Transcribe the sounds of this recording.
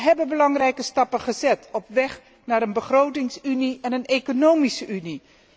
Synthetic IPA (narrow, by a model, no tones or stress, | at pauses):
ɦɛbənbəlɑŋrɛjkəstɑpəχəzɛtɔpʋɛχ | naːɾənbəχrowtɪŋsyniɛnənejkonowmisəʔyni